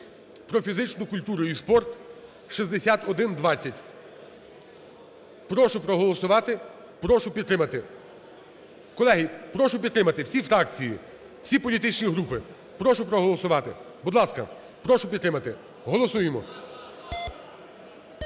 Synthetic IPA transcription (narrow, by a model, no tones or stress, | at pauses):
pɾɔfʲizɪt͡ʃnʊkʊlʲt̪uɾʊispɔrt̪ | ʃizd̪esʲat̪ɔd̪ɪnd̪ʋɑt͡sʲːɐtʲ | pɾɔʃʊpɾɔɦɔlˠɔsʊʋɑt̪ɪ | pɾɔʃʊpʲid̪t̪ːɾɪmɐt̪ɪ | kɔlˠɛɦipɾɔʃʊp̬ʲid̪t̪ɾɪmɐt̪ɪwsʲifɾɑk̚t͡sʲiji | wsʲipɔlʲit̪ɪt͡ʃnʲiɦɾupɪ | pɾɔʃʊpɾɔɦɔlˠɔsʊʋɑt̪ɪ | bud̪lˠɑskɐ̰ | pɾɔʃʊpʲid̪ɾɪmɐt̪ɪ | ɦɔlˠɔsujemɔ